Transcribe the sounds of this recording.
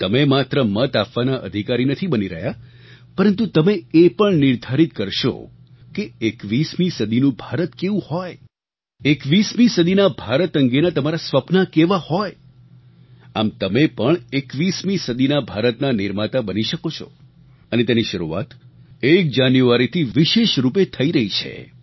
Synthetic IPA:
t̪əmemat̪ɾəmət̪apʋanaʔə̰d̪ʱikaɾinət̪ʰibəniɾə̰ɦja | pəɾənt̪̬ut̪əmeepəɳnɪɾd̪ʱaɾit̪kəɾʃo̰ | keekʋismisəd̪ʱinũbʱaɾət̪keʋũhɔj | ekʋismĩsəd̪ʱinabʱaɾət̪əŋɡenat̪əmaɾasʋəpnakeʋahɔj | amt̪əmepəɳekʋismĩsəd̪ʱinabʱaɾət̪naniɾmat̪abəniʃəkot͡ʃʰɔ̰ | ənet̪eniʃəɾṵa̰t̪ek̚d͡ʒanjuʋaɾit̪ʰiʋiʃeʃɾup̬et̪ʰəiɾəɦit͡ʃʰḛ

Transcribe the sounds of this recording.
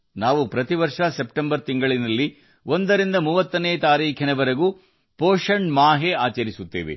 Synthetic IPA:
naːʋupɾɐt̪iʋɐɾʂɐsep̚ʈembɐɾt̪iŋɡɐɭinɐlːi | o̞nd̪ɐɾind̪ɐmuːʋɐt̪ːɐneːt̪aːɾiːkʰinɐʋɐɾɐɡuː | poːʂɐɳmaːɦeaːt͡ʃɐɾisut̪ːḛːʋḛ

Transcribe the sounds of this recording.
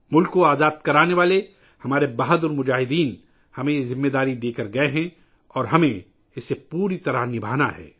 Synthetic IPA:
mʊlkːoaːzaːd̪̚kɐɾaːneʋaːle | hɐmaːɾebaɦəd̪ɔɾmʊd͡ʒaːɦɪd̪iːn | hɐmẽjezɪ̃mːeːd̪aːɾid̪eːkəɾɡɐeɦɛ̃ | ɔːɾɦɐmẽ | ɪsːepuːɾit̪ɐɾəɦnɪbʱaːna̰ɦɛ̰ː

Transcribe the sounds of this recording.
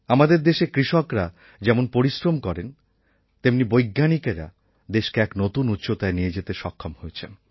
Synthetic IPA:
amad̪eɾd̪eʃekɾiʃokɾa | d͡ʑɛmonpoɾisɾomkɔɾen | t̪emnibojɡːanikeɾa̰ | d̪eʃkeɛknot̪unut̪ːʃʰot̪aenijed͡ʑet̪eʃɔkʰːomhojet͡ɕʰen

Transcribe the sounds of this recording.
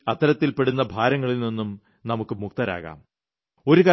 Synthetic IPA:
ɐt̪ːɐɾɐt̪ːilpe̞ɽunːɐbʱaːɾɐŋːɐɭilninːum | nɐmukːɨmuk̚t̪ɐɾa̰ːɣa̰ːm | o̞ɾukaː

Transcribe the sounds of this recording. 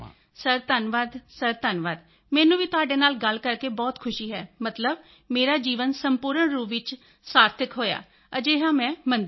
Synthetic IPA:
səɾt̪ənʋaːd̪səɾt̪ənʋaːd̪ | mɛːnũːʋiːt̪ʊaːɖeːnaːlɡəlkəɾkeːbɔːt̪kʰʊʃiːɦɛːmət̪ləb̚ | meːɾaːd͡ʒiːʋənsəmpuːɾəɳɾuːʋɪt͡ʃ | saːɾt̪ʰəkɦoːja̰ː | əd͡ʒeːɦãːmɛ̃ːmənd̪

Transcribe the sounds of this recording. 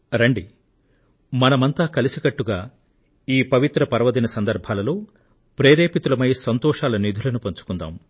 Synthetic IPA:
ɾɐɳɖi | mɐnɐmɐnt̪aːkɐlisikɐʈːuɡaː | iːpɐʋit̪ɾɐpɐɾɐʋɐd̪inɐsɐnd̪ɐɾbʱaːlɐloː | pɾeːɾeːpit̪ulɐmɐjsɐnt̪ɔːʂaːlɐnid̪ʱulɐnupɐɲt͡ʃu̥kund̪a̰ːm

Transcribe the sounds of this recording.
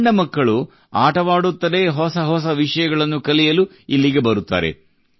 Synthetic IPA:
ɳɖɐmɐkːɐɭu | aːʈɐʋaːɽut̪ːɐd̪eːɦɔsɐɦɔs̬ɐʋiʂɐjɐɡɐɭɐnːukɐlijɐlu | ilːiɡe̞bɐɾut̪ːa̰ːɾḛ

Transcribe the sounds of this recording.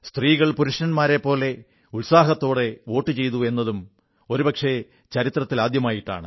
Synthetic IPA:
st̪riːɣɐɭpuɾuʂnɐnmaːɾe̞pːo̞ːle̞ | ulsaːɦɐt̪ːo̞ːɽe̞ʋo̞ːʈːɨt͡ɕe̞jt̪ue̞nːɐðum | o̞ɾupɐkʂe̞ | t͡ɕɐɾit̪rɐt̪ːilaːd̪jɐmaːjiʈːa̰ːɳɨ

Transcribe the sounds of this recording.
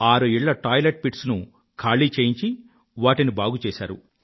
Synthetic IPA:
aːɾuiɭːɐʈaːjleʈ̚piʈsnu | kʰaːɭiːt͡ʃeːjiɲt͡ʃi | ʋaːʈinibaːɡut͡ʃɛːʃaːɾṵ

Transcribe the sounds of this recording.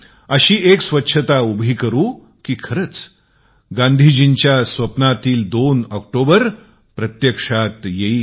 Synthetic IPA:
əɕiːeksʋətːɕʰət̪aubʱiːkəɾuː | kiːkʰəɾət͡s | ɡãnd̪ʱid͡ʑint͡ɕjasʋəpnat̪iːld̪onək̚ʈobəɾ | pɾət̪jəkʂat̪jeiː

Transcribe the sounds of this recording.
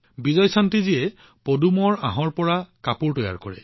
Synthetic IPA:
bizɔjsantizijɛ | podumɔɹaɦɔɹpɔɹakapuɹtɔja̰ɹkɔ̰ɹɛ̰

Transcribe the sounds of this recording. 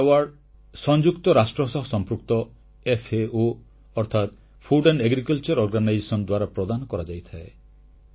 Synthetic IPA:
waɾɖ | sɔnd͡ʒukt̪ɔɾasʈɾɔsɔɦɔsɔmpɾuk̚t̪ɔ | epʰeo | ɔɾt̪ʰat̪ | pʰuɖeɳɖeɡɾikɔlt͡ʃɔɾɔɾɡanajd͡ʒesɔnɔd̪waɾapɾɔd̪anɔkɔɾad͡ʒajt̪ʰae

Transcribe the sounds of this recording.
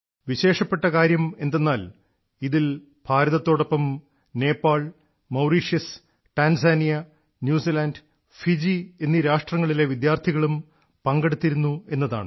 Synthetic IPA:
ʋiɕe̞ːʂɐpːe̞ʈːɐkaːɾjɐme̞nd̪enːaːl | iðil | bʱaːɾɐðɐt̪ːo̞ːɽopːɐm | ne̞ːpːaːɭ | mɐwɾiːʂjɐs | ʈaːnsaːnijɐ | njuːsilaːnd | fid͡ʑie̞nːiɾaːʂʈrɐŋːɐɭile̞ʋid̪jaːrt̪ʰiɣɐɭum | pɐŋɡeɽut̪ːiɾunːue̞nːɐðaːɳɨ

